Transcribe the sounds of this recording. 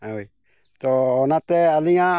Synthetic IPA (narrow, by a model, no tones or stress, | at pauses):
awi | t̪onat̪ealiŋa